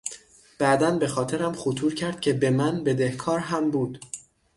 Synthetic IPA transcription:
b̥æʔd̪ænbe̞xɒːt̪ʰe̞ɾæmχot̪ʰuːɾcʰæɾd̪̥̚cʲʰe̞be̞mænbe̞d̪e̞hkʰɒːɾɦæmbuːd̪̥

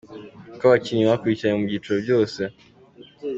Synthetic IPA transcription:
kawat͡ʃiniwakuit͡ʃaɲamuɡitɔvjɔsɛ

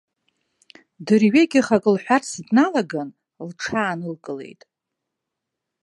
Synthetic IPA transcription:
dɨrɥeɡʲɪχakʼɨlħʷᶣarsdnalaɡan | lʈ͡ʂʰaːnɨlkʼɨle̞̰jtʼ

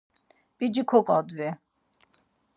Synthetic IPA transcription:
bid͡ʒikʰɔkʼɔ̃d̪vɛ

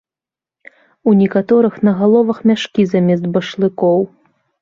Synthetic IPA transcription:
unʲɛkat̪ɔɾɨxnɐɣalˠɔvɐxmʲaʂkʲizamʲɛsd̪̚bɐʂlˠɨkɔw

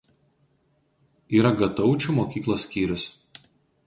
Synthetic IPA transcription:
iːɾɐɡɐt̪ɒʊt͡ʃʲuˑmoːkʲiːklˠoːsʲkʲiːɾʲʊs

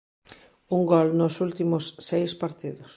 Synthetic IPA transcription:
uŋɡɔlnʊsult̪imʊsːejspaɾt̪iðʊs

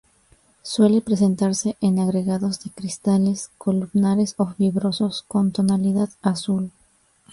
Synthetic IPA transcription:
swe̞le̞pɾe̞s̬e̞nt̪aɾse̞ʔenaɣɾe̞ɣaðo̞zðe̞kɾist̪ale̞skʰo̞lumnaɾe̞so̞fiβɾo̞so̞sko̞nt̪o̞naliðaðasul

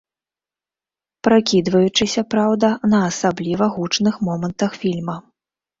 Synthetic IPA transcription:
pɾakʲid̪vɐjut͡ʂɨsʲɐpɾawd̪ɐnɐːsablʲivɐɣut͡ʂnɨxmɔmɐnt̪ɐxfʲilʲmɐ

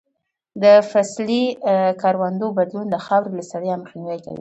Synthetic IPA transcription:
d̪əfaslikɑɾwand̪obad̪lund̪əxɑwɾelasaɽəjaməxnawajka̰wḭ

